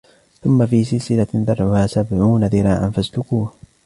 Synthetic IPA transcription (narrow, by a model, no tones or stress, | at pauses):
θʊmːafiːsɪlsɪlanðɑɾˤʕʊhaːsabʕuːnaðɪɾˤaːʔa̰nfast̪ʊkʊ